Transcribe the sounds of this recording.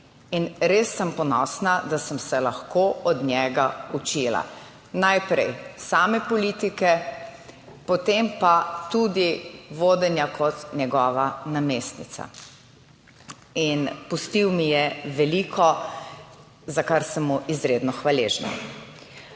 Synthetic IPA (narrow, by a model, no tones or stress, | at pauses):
inɾesːəmpɔnɔsnad̪asəmsɛlaxkoʔɔd̪njɛːɡaut͡ʃila̰ | najpɾɛjsaːmɛpɔliːt̪ikɛ | pɔt̪empat̪ud̪iʋoːd̪ɛnjakʰɔt̪njɛɡɔːʋanameːst̪nit̪sa̰ | inpust̪iwmijɛʋɛliːkʰɔ | zakaɾsəmːuʔizɾed̪nɔxʋaleːʒna̰